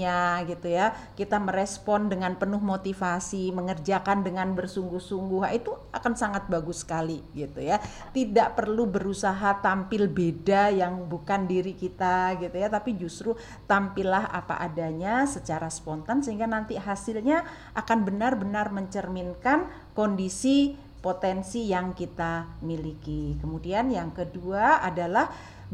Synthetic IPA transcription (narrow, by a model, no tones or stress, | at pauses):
aɡit̪ujakit̪aməɾespɔndəŋanpənʊɦmot̪ifasiməŋərd͡ʒakandəŋanbərsuŋɡʊhsuŋɡʊɦa̰ʔit̪ua̰kansaŋat̪̚baɡʊsə̥kaliɡit̪uja | t̪idaʔpərlubəɾusaɦat̪ampɪlbedajaŋbukandiɾikit̪aɡit̪ujat̪apid͡ʒust̪ɾu | t̪ampɪlaɦa̰pa̰ʔadaɲasət͡ʃaɾaspɔnt̪ansəɦiŋɡanant̪iɦasɪlɲa | ʔakanbənarbənarməɲt͡ʃərminkan | kondisi | pot̪ɛnsijaŋkit̪amilikikəmudianjaŋkəduaadalah